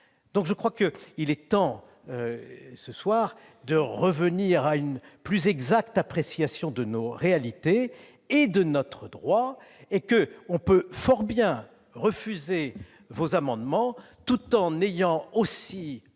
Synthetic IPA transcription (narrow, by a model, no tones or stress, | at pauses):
d̪ɔ̃kʒəkχwakəilɛt̪ɑ̃ | øsəswaːʁ | d̪əʁəvəniʁaynplyzɛɡzak̚t̪apχesjasjɔ̃d̪ənoʁealit̪eː | d̪ənɔt̪χəd̪ʁwaekəɔ̃pøfɔʁbjɛ̃ | ʁəfyze | vozamɑ̃d̪mɑ̃ | t̪ut̪ɑ̃nejɑ̃osi